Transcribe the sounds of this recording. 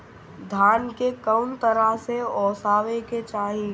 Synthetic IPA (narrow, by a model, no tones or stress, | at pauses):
d̪ʱaːnkekəʊnt̪əɾaseɔːsaːʋeket͡ʃaːɦĩ